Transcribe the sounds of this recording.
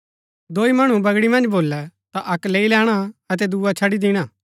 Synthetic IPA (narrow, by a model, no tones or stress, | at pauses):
d̪oːimɐɽ̃ũbɐɡɽimɐ̃nd͡ʒboːlːɛt̪aʔɐkleːilɛːɽ̃aɐt̪ɛd̪uːat͡ʃʰɐɽid̪iːɽ̃aː